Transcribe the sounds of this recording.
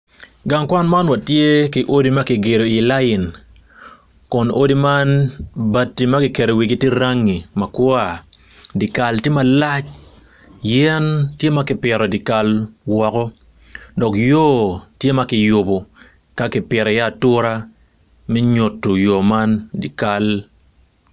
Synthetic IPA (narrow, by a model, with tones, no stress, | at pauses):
ɡa˨ŋkwa˦nma˦nwa˨tje˦kɪ˨ʔo˦di˦ma˦kɪ˨ɡe˨ɾo˨i˨la˦jɪ˨n | kɔ˨no˦di˦ma˦nba˦tːi˨ma˦kɪ˨ke˨ɾo˨wi˨ɡi˦te˦ɾa˦ŋːi˨mɐ˨kwa˨ | di˨ka˨lte˦ma˦la˦t͡ʃ | jɛ˦ntje˦ma˦kɪ˨pɛ˨ɾɔ˨di˨ka˨lwɔ˨kɔ˦ | dɔ˨kjo˦˨tje˦ma˦kɪ˨jo˨bo˨ | ka˦kɪ˨pɛ˨ɾɔ˨ja˦˨tʊ˦ɾa˦ | mɛ˦ɲo˨tːo˨jo˨ma˦ndi˨ka˨l